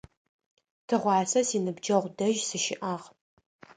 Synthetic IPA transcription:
tʰɨʁʷɑːsɐsiːnɨbd͡ʒɐʁʷdɐʒsɨʃɪʔaːʁ

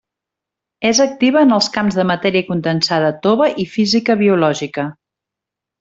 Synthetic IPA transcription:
ezək̚t̪iβ̞əːnəlˠskamzðəmət̪ɛɾiəkund̪ənsað̞ət̪oβəʔifizikəβiulɔʒikə

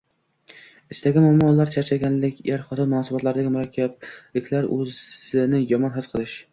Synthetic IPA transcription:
ɪst̪ʰaɡʲɪmamɒlːaɾt͡ʃʰat͡ʃʰaɡʲanlɪkʲeɾχɒt̪ɑnmʊnɒsɨbɒt̪laɾɪd̪aɡʲɪmʊɾakʲʰːab̚lɪkʲʰlaɾɵzɪnɪjɒmɒnɦɨsqʰɨlˠɪʃ

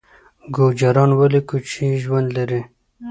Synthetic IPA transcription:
ɡod͡ʒaɾɑnwalikut͡ʃʰiʒwand̪laɾi

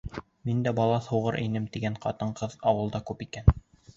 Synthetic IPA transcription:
mind̪æbɑlˠɑθuʁɤɾʔɘ̰̆nɘmt̪iɡæɴqɑt̪ɤɴqɤðɑwɤ̆lˠd̪ɑkʉpikæn

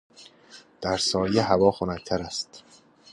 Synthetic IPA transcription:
d̪̥æɾsɒːjeɦævɒːxonæct̪ʰæɾæst̪

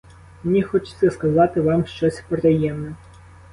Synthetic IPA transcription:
mnʲixɔt͡ʃɪ̥t̪sʲɛskɐzɑt̪ɪʋɑmʃt͡ʃɔsʲpeɾɐjɛmnɛ

